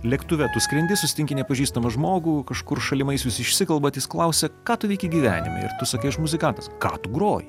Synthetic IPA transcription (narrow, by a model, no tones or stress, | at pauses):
lʲɛkt̪ʊʋʲɛt̪ʊsʲkɾʲɛnʲd̪ʲɪsʊsʲɪt̪ʲɪŋkʲɪnʲɛpɐʒʲiːst̪ɐmɐʒmoːɡuːkɐʃkʊrʃɐlʲɪmɐɪsʲʊsɪʃʲsʲɪkɐlˠbɐt̪ʲɪsklˠɐʊsʲɛkɑːt̪ʊʋʲɛɪkʲiɡʲiːʋʲæ̰ːnʲɪ̰mɐ̰ɪ̰ɾt̪ʊsɐkɐɪɪʃmʊzʲɪkɐnt̪ɐskɑ̰ːt̪ʊɡɾoːjɪ